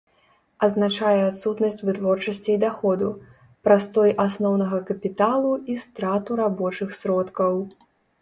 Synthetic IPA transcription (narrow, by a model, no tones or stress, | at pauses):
ɐznat͡ʂajɛat̪sut̪nɐsʲt͡sʲvɨt̪vɔrt͡ʂɐsʲt͡sʲiːd̪axɔd̪u | pɾast̪ɔjʔasnɔwnɐɣɐkɐpʲit̪alˠuist̪ɾat̪uɾabɔt͡ʂɨxsɾɔt̪kɐw